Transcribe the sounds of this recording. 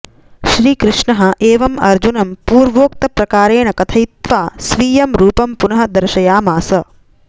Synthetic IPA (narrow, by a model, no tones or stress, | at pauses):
ʃɾiːkɾɪʂɳɐɦɐ̆ʔeːʋɐmɐɾd͡ʒunɐmpuːɾʋoːk̚t̪ɐpɾɐkaːɾeːɳɐkɐt̪ʰɐjit̪ʋaːsʋiːjɐmɾuːpɐmpunɐɦɐ̆d̪ɐɾʃɐjaːmaːsɐ